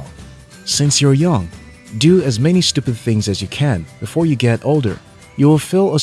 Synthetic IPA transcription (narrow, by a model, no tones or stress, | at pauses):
sɪ̃nsjə˞jʌ̃ŋ | dɨɨzmɛnistʉpɨd̪̚θɪ̃ŋzɨzjɨkʰɨ̃nb̥ɨfɔɹjɨɡɛɾoʊlˠdə̰˞ | jɨwɪlˠfɪlˠə